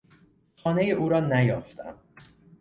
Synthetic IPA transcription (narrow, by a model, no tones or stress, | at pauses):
xɒːnejeʔuːɾɒːnæjɒːft̪ʰæ̰m